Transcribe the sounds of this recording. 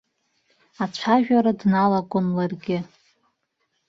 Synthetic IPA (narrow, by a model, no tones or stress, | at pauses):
at͡ʃʷʰaʒᶣaɾadnalakʷʼʊnlarɡʲɪ